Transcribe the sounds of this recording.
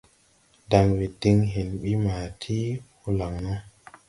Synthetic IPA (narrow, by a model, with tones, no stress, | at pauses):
da˨ŋwe˨di˧ŋɦe˨nɓi˦maː˨tʰi˦hu˧la˨ŋno˦